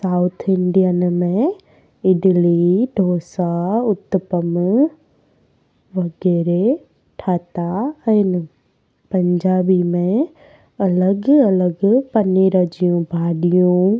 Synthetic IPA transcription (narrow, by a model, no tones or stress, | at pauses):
saːʊt̪ʰɪɳɖijənmẽ | ɪɖɪliɖʱoːsaʊt̪pəm | ʋɐɡɛːɾe | ʈʰaːt̪aɛ̃ːnɪ | pɐ̃ɲd͡ʑaːbimẽ | ɐləɡɐləɡpɐniɾɐd͡ʑijũbʱaːɗijũ